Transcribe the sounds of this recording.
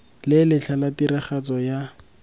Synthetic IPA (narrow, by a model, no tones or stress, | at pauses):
lɪlɪɬʰalatiɾɪχat͡sɔja